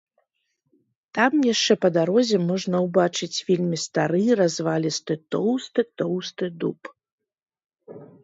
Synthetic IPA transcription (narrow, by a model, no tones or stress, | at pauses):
t̪amjaʂt͡ʂɛpɐd̪aɾɔzʲɛmɔʐnɐwbat͡ʂɨt͡sʲvʲelʲmʲist̪aɾɨɾazvalʲist̪ɨt̪ɔwst̪ɨt̪ɔwst̪ɨd̪up